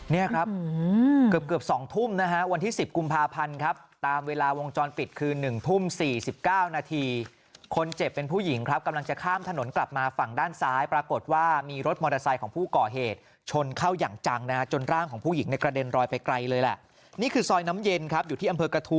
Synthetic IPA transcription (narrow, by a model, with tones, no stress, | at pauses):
ni˥˩ɐkʰɾa˦˥p̚kɯ˨˩əp̚kɯ˨˩p̚sɔː˩˦ŋt̪ʰu˥˩mna˦˥ka˦˥wa˧nt̪ʰiː˥˩si˨˩p̚ku˧mpʰaː˧pʰa˧nkʰa˦˥p̚t̪aː˧mweː˧laː˧wo˧ŋt͡ɕɔː˧npi˨˩t̪̚kʰɯː˧nɯ˨˩ŋt̪ʰu˥˩msiː˨˩si˨˩p̚kaː˥˩wnaː˧t̪ʰiː˧ | kʰo˧nt͡ɕe˨˩pːe˧npʰuː˥˩ji˩˦ŋkʰɾa˦˥p̚ka˧mla˧ŋt͡ɕa˨˩kʰaː˥˩mt̪ʰa˧no˨˩˦nkla˨˩p̚maː˧fa˨˩ŋdaː˥˩nsaː˦˥jpɾa˧ko˨˩t̪̚waː˥˩miː˧ɾo˦˥t̪̚mɔː˧ɾa˧sa˧jkʰɔː˩˦ŋpʰuː˥˩kɔː˨˩ɦeː˨˩t̪̚ | t͡ɕʰo˧nkʰaː˥˩wjaː˨˩ŋt͡ɕa˧ŋna˦˥ka˦˥t͡ɕo˧nɾaː˥˩ŋkʰɔː˩˦ŋpʰuː˥˩ji˩˦ŋna˧jkɾa˧de˧nɾɔː˧jpa˧jkɾa˧jlɤː˧jla̰˨˩ʔ | niː˥˩kʰɯː˧sɔː˧jna˦˥mje˧nkʰɾa˦˥p̚juː˨t̪ʰiː˥˩ʔmpʰɤː˧kɾa˧t̪ʰu˦˥